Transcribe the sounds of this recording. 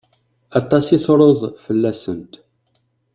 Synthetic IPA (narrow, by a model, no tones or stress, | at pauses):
ɑt̪ˤːɑsiθɾˤoðˤfəlːæsənt̪